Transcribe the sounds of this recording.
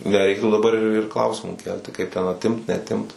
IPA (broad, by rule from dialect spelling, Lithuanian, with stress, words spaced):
nʲɛˈrʲɛɪktuː dɐˈbɐr ɪr ɪr ˈklˠɐʊsʲɪmuː ˈkʲɛlʲtʲɪ kɐɪp tʲɛn ɐtʲˈɪmt nʲɛɐtʲˈɪmt